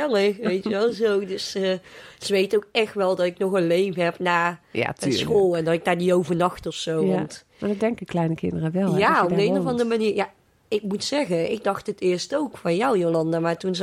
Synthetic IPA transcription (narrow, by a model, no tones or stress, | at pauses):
ɛləxʋejtʋɛlˠzowdøsəsəʋejtowk̚ɛxtʋɛlˠdɑtɪknɔxənlejvəɦɛpnaːja̰tsxoːlˠɛndɑtɪk̚daːdiowvənɑxtɔfsowʋɔnt | madɔdɛŋkəklɛjnəkɪndərəʋɛljaɔbdəejnəvɑndərəmaniːrja | ɪk̚mutsɛɣəɪɡ̚dɑxtətɪːɹstowkfɑnjɔwjolɑndamaːtunz